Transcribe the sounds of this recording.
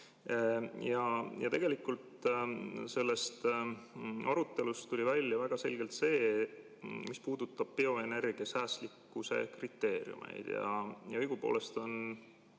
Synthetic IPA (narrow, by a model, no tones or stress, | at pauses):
jɑjɑ̰t̪e̞ɡ̥e̞likult̪ | se̞lːe̞st̪ | ʔɑɾut̪ːe̞lust̪ulʲivælʲːjɑvæɡ̥ɑse̞lɡ̥e̞lt̪se̞ː | mispuːd̪̥ut̪ːˑɑb̥̚pio̞e̞ne̞rɡ̥iɑsæːslikːˑuse̞̰krit̪ːe̞ːɾḭṵmḛjd̪̥jɑ̰jɑɤjɡ̥upo̞̰ːle̞st̪o̞n